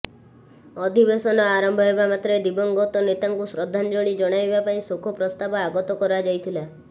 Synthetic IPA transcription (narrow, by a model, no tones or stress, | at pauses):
ɔd̪ʱibesɔnɔaɾɔmbʱɔɦebamat̪ɾed̪ibɔŋɡɔt̪ɔnet̪aŋkusɾɔd̪ʱːand͡ʒoɽ̃id͡ʒɔɽ̃ajbapaĩsokʰɔpɾɔst̪abɔaɡɔt̪ɔkɔɾad͡ʒajt̪ʰila